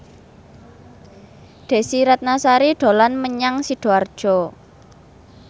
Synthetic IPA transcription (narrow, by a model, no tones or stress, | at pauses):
ɖ̪̥e̤siɾat̪̚nasaɾiɖ̪̥o̤lanməɲaŋsiɖ̪̥o̤ard̥ʒ̥ɔ